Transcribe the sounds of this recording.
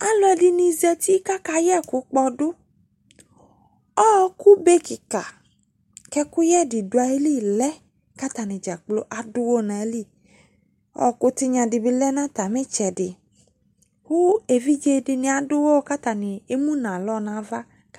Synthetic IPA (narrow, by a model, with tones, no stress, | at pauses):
a˦lɔ˧˦dɪ˧nĩ˧zi˨˦ɔ˧t̪i˦ka˦ka˨jɛ˦kʊ˨˦k͡pɔ˧dʊ˦ | ɔ˦ku˦be˦kɪ˨ka˨ | kɛ˦kʊ˦jɛ˦˨dɪ˨dʊ˨˦a˨e˦li˦˨lɛ˦ | ka˦t̪a˨nɪ̃˨d͡ʒa˨k͡plo˦ʔa˨dʊ˦wo˦˨nã˨˦li˦˨ | ɔ̰˦˨kʊ˦tɪ˦ɲã˨dɪ˨bɪ˦lɛ˦nã˦t̪a˨mɛ̃˦t͡ʃɛ˨dɪ˨ | hu˦e˨vi˦d͡ʒe˧˦dɪ˧nɪ̃˨a˨dʊ˦wo˦ka˦t̪a˨nɪ̃˨e˦mũ˦nã˨lɔ˦nã˨˦va˦